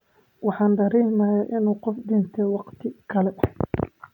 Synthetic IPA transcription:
wɑħɑːnd̪ɐɾiːmɐːjaʔɪnuːqɔfd̪ɪnt̪ʰɛwɑqt̪ʰɪkʰɐlɛ

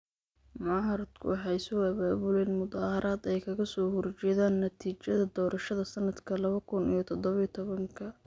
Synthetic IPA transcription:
mʊʕɐɾɐd̪kʰʊ̰wɑħɑjsʊɐβaːβʊlɛjnmʊd̪ɑːhɐɾʔaːd̪ɛjkʰɐɣɐsɔːhɔrt͡ʃɛːðaːnːɐt̪ʰiːt͡ʃɐðɐd̪ɔːɾʔɐʃɐðɐsɐnːɐd̪kʰɐlɐβɐkʰʊnḭjɔt̪ʰɔd̪ɔβɐijt̪ʰɔβɐŋkʰɐ

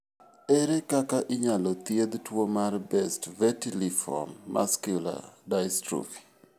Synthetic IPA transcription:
ɛɾekakaʔɪɲalɔt̪jed̪twomarbɛstvɛtilifɔ̰mːʔa̰skjula̰dajstɾo̰fi̥

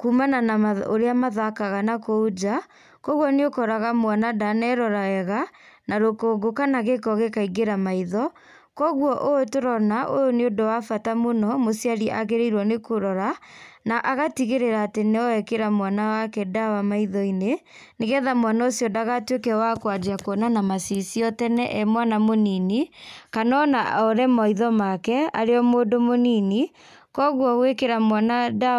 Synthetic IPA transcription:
kumananaaoɾeamaðakaɣanakood͡ʒa | kɔɣwɔneokɔɾaɣamwanadanɛɾɔɾaɛɣa | naɾokoɡokanaɣekɔɣekaiɡeɾamaiðɔ | kɔɣwɔʔotoɾɔnaʔojoneodowafatamonɔmosiaɾiʔaɣeɾeiɾwɔnekoɾɔɾanaʔaɣatiɣeɾeɾaːteneɔɛkeɾamwanawakɛdawamaiðɔine | neɣɛðamwanaosjɔdaɣatwekɛwakwad͡ʒeakɔnanamasisiɔtɛnɛʔɛmwanamoninikanɔnaɔɾɛmaiðɔmakɛa̰ɾeɔmoːdomonini | kɔɣwɔwekeɾamwanada

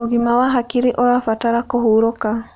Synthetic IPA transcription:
uɣimawaɦakiɾiʔɔɾafataɾakɔɦuɾɔka

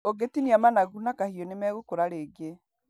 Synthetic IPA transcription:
oɡetiniamanaɣunakahiɔnemɛɣokoɾaɾeːɡe

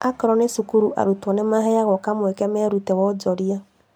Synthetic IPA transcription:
akɾɔnesukuɾuʔa̰ɾutuɔnemaɦejaɣɔkamoekɛmeɾutewɔd͡ʒɔɾija

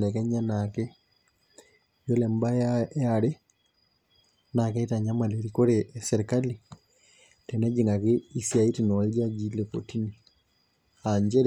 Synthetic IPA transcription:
lɛkɛɲanake | jolɛmbaaaɾe | nakɛitaɲamaleɾikoɾesɛɾekali | tɛnɛd͡ʒiŋɡakeisjaitinɔled͡ʒad͡ʒileko̰tini | aɲd͡ʒɛɾ

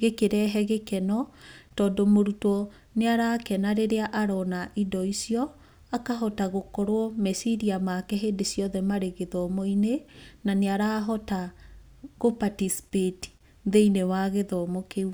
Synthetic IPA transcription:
ɣekeɾɛɦɛɣekɛnɔtɔːndomoɾutɔ | neaɾaːkɛnaɾeɾeaʔaɾɔnaʔidɔisiɔ | akaɦɔtaɣokɔɾwɔmɛsiɾiamakɛɦedesjɔðɛmaɾeɣeðɔmoinenaneaɾaːɦɔta | ɣopatisi̥peti̥ | ðeinewaɣeðɔmokeu

